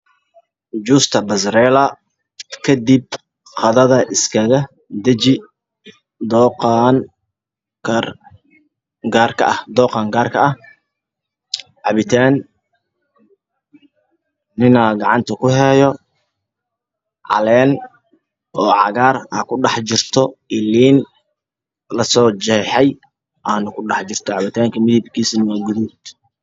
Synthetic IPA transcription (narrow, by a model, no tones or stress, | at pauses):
d͡ʒuːst̪ʰɐbɐsɾɛːlɐ | kʰɐd̪ib̚ | qɑðɐðɐʔɪskʰɐɣɐ | d̪ɐt͡ʃɪ | d̪ɔːqɑn | kʰɐr | ɡaːrkʰɐ̰ɐhd̪ɔːqɑːŋɡaːrkʰɐʔɐh | ʕɑβɪt̪ʰaːn | ɪnaːɡɑʕɑnt̪ʰɐkʰʊɦɛːjɔ | ʕɑ̰lɛːn | ʔɔːʕɑ̰ɣaːraːkʰʊɖɑħt͡ʃɪrt̪ʰɔɪlːiːn | lɐsɔːt͡ʃɛħɛj | ʔaːnʊkʰʊɖɑħt͡ʃɪrt̪ʰɔʕɑβɪt̪ʰaːŋkʰɐmɪðɪbkʰiːsnɐwaɡʊðuːd̪